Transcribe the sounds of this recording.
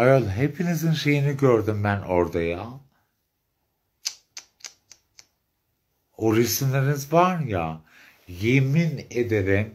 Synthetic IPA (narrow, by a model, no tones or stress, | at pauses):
ajolˠɦepʰinizinʃe̞jiniɟøɾd̪ymbænʔoɾd̪aja | oɾismlʲeɾinizvaɾja | jemined̪eɾɛm